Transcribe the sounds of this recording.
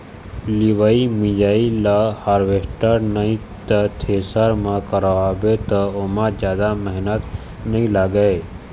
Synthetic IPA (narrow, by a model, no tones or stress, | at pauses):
liʋaːimĩd͡ʒaːilahaːɾʋesʈəɾnəĩ | t̪ət̪ʰeːsəɾmãkəɾaʋabet̪əomãd͡ʒjaːd̪aməɦnət̪ | nɐɦĩlaɡəe